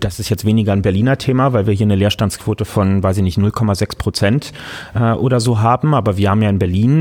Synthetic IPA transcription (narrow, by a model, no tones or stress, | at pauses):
d̥asɪstjɛt͡stv̥eːnɪɡɐnbɛɐliːnɐtʰeːmavaɪlviːɐɦiːɐnəleːɐʃtanskv̥oːtəfɔnvaɪsɪçnɪçtnʊlkʰɔmazɛkspʁ̥ot͡sɛntʔɛːʔoːɾɐzoːɦaːbm̩ʔaːbɐviːɐhaːm̩jaːɪnbɛɐliːn